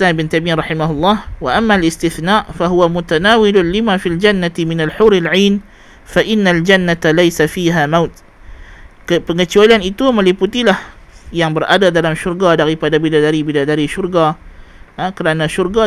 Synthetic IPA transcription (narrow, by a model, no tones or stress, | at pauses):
sambɪnt̪amirɑħimaɦʊlˤːɑhwaʔamːalɪst̪ɪθnaʔfaɦuwamut̪anawɪlʊlimafild͡ʒanːat̪imɪnalħʊɾalʕiːn | faʔɪnːald͡ʒanːat̪alajsafiɦamawt̪̚ | kəpəŋət͡ʃualanit̪uməliput̪ilahjaŋbəɾʔadadalamʃʊrɡadaɾipadabidadaɾibiladaɾiʃʊrɡa | kəɾanaʃʊrɡa